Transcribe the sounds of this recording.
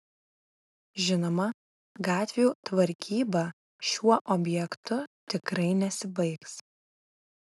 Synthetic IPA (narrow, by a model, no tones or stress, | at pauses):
ʒʲɪnoːmɐ | ɡɑːt̪ʲʋʲeuːt̪ʋɐɾʲkʲʰiːbɑː | ʃʲuɔʔobʲjɛkt̪ʊt̪ʲɪkɾɐɪnʲɛsʲɪbɐɪks